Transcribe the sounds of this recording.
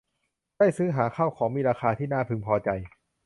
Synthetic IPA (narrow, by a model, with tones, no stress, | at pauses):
daː˥˩jsɯː˦˥ɦaː˩˦kʰa˥˩wkʰɔː˩˦ŋmiː˧ɾaː˧kʰaː˧t̪ʰiː˥˩naː˥˩pʰɯ˧ŋpʰɔː˧t͡ɕa˧j